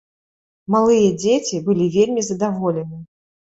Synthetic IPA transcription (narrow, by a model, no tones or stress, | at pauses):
malˠɨjɐd͡zʲet͡sʲibɨlʲivʲelʲmʲizɐd̪avɔlʲɛnɨ